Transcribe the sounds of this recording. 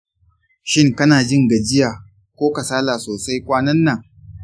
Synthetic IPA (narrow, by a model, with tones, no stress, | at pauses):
ʃɪ˦˨ŋkɐ˦naː˨d͡ʒɪ˦ŋɡɐ˨d͡ʒɪ˦jaː˨ | kʷoː˦kɐ˨saː˦laː˨soː˨sa˦jkʷʼaː˦nɐ˦nːɐ˨ŋ